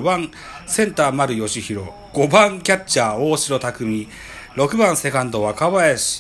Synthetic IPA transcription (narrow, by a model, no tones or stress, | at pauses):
bãŋ | sẽ̞nt̪aːmaɾɯ̟jo̞ɕiçiɾo̞ | ɡ̥o̞bãŋkʲatt͡ɕaːoːɕiɾo̞t̪akɯ̟mʲi | ɾo̞kɯ̟bãɰ̃se̞kãnd̪o̞βakaβaeɕi̥